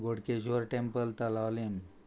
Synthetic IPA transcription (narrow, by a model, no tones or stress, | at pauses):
ɡoɽkes̬ʋəɾʈempəlt̪əlawlem